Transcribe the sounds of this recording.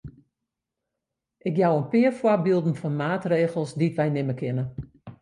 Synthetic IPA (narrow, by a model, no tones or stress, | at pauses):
ʔɪkjawənpɪərfwɔrbilˠdn̩fɔnmaːtreːɣəlˠsditʋɛjnɪməkʰɪnə